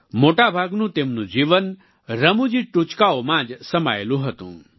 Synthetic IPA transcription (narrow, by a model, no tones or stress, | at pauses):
moʈabʱaɡnũt̪emnũd͡ʒiʋən | ɾəmũd͡ʒiʈut͡ʃkaomãd͡ʒsəmajelũɦət̪ṵ̃ː